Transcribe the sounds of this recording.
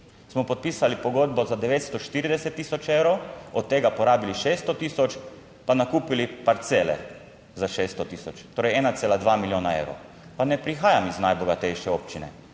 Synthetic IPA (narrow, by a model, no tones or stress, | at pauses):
smɔpɔt̪̚piːsalipɔɡod̪bɔzad̪ɛʋeːt̪st̪ɔʃt̪iːɾid̪ɛsɛt̪ːiːsɔt͡ʃewɾowɔt̪ːeːɡapɔɾaːbiliʃeːst̪ɔt̪iːsɔt͡ʃ | panakuːpilipaɾt̪seːlɛ̰ | zaʃest̪ɔt̪iːsɔt͡ʃt̪oːɾɛjɛːnat̪seːlad̪ʋamiljoːnaḛwɾɔ̰w | panɛpɾixaːjamiznajbɔɡat̪ɛjʃɛoːpt͡ʃinɛ̰